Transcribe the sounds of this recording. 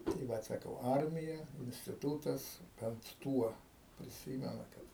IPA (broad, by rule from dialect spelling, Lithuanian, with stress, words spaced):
tɐɪ ˈʋɐt sɐˈkɐʊ ˈɐrʲmʲɪjɛ ɪnʲsʲtʲɪˈtuːtɐs bʲɛnt ˈtuɔ pʲrʲɪˈsʲiːmʲɛnɐ ˈkɐt